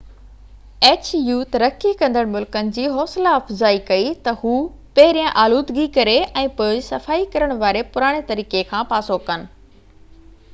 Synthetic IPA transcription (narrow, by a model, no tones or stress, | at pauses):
eːt͡ɕjuːt̪ɐɾɐkʰːikɐ̃nd̪əɽ̃mʊlkənɪ̆d͡ʑiːɦɔːslaɐfzaːikɐit̪ɐhuː | pɐɦɪɾijãʔaːluːd̪ɡikɐɾeɛ̃ːpoːd͡ʑsɐfaːikɐɾəɽ̃ʋaːɾepʊɾaːɽ̃et̪ɐɾiːkekʰãːpaːsokɐnɪ̆